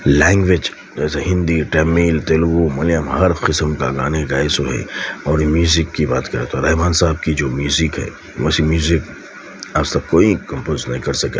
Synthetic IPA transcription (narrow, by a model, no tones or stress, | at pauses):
lɛ̃ːŋɡʋeːd͡ʒ | d͡ʒɛːseɦɪ̃nd̪iʈɛːmiːlt̪elɡumɐlijəmhɐɾqɪsəmka̰ɡaːneɡaːɪsoɦɛ̰ɔːɾmjuːzɪkːibaːt̪kɐɾẽːt̪ʰoɾɐɦɪbaːnsaːb̚kid͡ʒoːmjuːzɪkɦɛ̰ː | ʋɛ̰simjuːzɪk | aːst̪ɐkkːoːikɐ̃mpoːznɐɦĩkɐɾsɐkeː